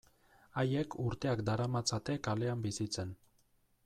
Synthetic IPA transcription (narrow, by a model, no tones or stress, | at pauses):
aje̞kʰuɾt̪e̞akd̪aɾamat͡sat̪e̞kale̞ambisit͡se̞n